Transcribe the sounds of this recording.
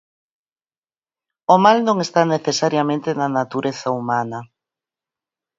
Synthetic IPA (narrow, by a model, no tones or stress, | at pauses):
omalnõŋest̪aneθesaɾjamẽnt̪enanat̪uɾeθaumanɐ